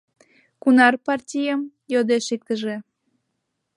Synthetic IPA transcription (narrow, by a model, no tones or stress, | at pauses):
kunɑrpɑrtʲijəm | jod̪eʃik̚t̪əʒe